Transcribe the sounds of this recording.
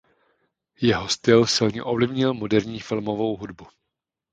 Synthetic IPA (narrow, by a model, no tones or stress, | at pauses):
jɛɦost̪ɪlsɪlɲɛʔovlɪvɲɪlmo̞dɛɾɲiːfɪlmo̞vo̞wɦudbu